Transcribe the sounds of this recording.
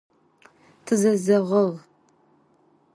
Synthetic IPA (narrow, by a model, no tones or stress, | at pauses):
tʰɨzɐzɐʁəʁ